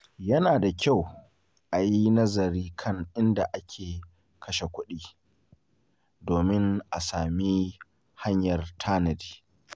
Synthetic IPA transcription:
jɐ˦naː˨da˨kʲa˦˨w | ʔa˨ji˦nɐ˦zɐ˨ɾiː˦kʰɐ˦ŋʔɪ˦nda˨ʔa˦kʲʰeː˨ | kʰɐ˦ʃe˨kʷʊ˦ɗiː˦ | doː˨mɪ˦ŋʔa̰˨saː˨mi˦ | ha˦ɲjɐ˨rtʰaː˦nɐ˨di̥ː˨

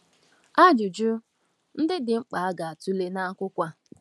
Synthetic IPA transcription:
a˦d͡ʒʊ˨d͡ʒʊ˦ | n̩˦dɪ˦dɪ˨ŋ͡m̩˦k͡pa˨a˦ɡa˨a˨tu˦le˦na˦a˦kʷʊ˦kʷa˦

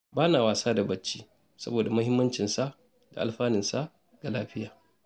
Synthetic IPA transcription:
baː˦naː˨waː˨saː˦da˨bɐ˦t͡ʃːiː˦ | sɐ˦boː˨da˨mɐ˦hɪ˦mːɐ˦nt͡ʃɪ˨nsa˦ | da̰˨ʔa̰˨lɸaː˦nɪ˨nsa˦ | ɡ̥a˨laː˦ɸɪ˦jaː˨

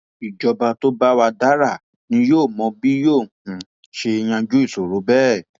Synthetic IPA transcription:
i˨d͡ʒɔ˧ba˧to˦ba˦wa˧da˦ɾa˦˨ | nĩ˧˦joː˦˨mɔ̃˧bi˦joː˦˨h̩˨ | ʃe˧j̃ã˧d͡ʒu˦i˦˨so˨ɾo˨˦bɛ˦˨

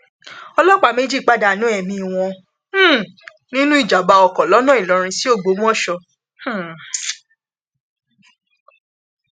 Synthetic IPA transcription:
ɔ˧lɔ˦k͡pa˨me˦d͡ʒi˦˨k͡pa˦˨da˧˨nũ˨˦ɛ˨mĩ˧˨w̃ɔ̃˧˦˨ | nĩ˦nũ˦i˦˨d͡ʒa˨ba˨˧ɔ˨kɔ˨lɔ˨˦nɔ̃˦i˨lɔ˨˦ɾ̃ĩ˧si˦o˦˨ɡ͡bo˨˦mũ˦ɔ̃˦ʃɔ˧ | h̩˦

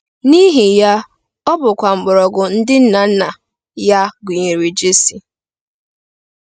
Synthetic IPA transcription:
ni˦ɦi˨ja˦ | ɔ˦bʊ˨kʷa˨ŋ͡m̩˨ɡ͡bʊ˨ɾɔ˨ɡʊ˨n̩˦dɪ˦n̩˦na˨n̩˦na˨ | ja˦ɡu˨ɲe˨ɾi˨d͡ʒe˦si˨

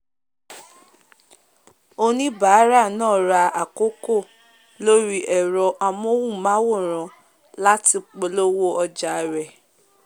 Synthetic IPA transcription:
o˦nĩ˦ba˨˦ɾa˦˨nɔ̃ː˦˨ɾa˧a˨ko˦ko˦˨ | lo˦ɾi˦ʔɛ˨ɾɔ˧ʔa˧m˦o˦wũ˦˨mã˦wo˦˨ɾ̃ɔ̃˨ | la˦ti˧k͡pe˨lo˦wo˦ɔ˧d͡ʒa˨ɾɛ˨

